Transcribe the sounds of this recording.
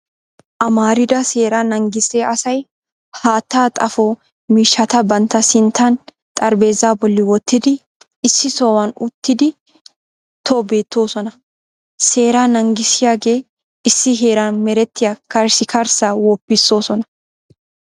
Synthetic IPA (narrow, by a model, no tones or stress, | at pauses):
ʔɐmaːɾɪd̪ɐseːɾanɐŋɡɪseːʔɐsɐj | haːt̪ːaːt̪ʼɐfoː | miːʃːɐt̪ɐbɐnt̪ːɐsɪnt̪ʰːan | t̪ʼɐɾbe̞ːzaːbɔlːɪwɔt̪ːɪd̪ɪ | ɪsːɪsoːwɐnʊt̪ːɪd̪ɪ | t̪ʰoːbe̞ːt̪ːo̞ːsɔnɐ | se̞ːɾaːnɐŋɡɪsɪjaːɡe̞ː | ɪsːɪɦe̞ːɾanmɛɾɛt̪ːɪjɐkɐɾsɪkɐɾsawɔpːɪsːo̞ːsɔnɐ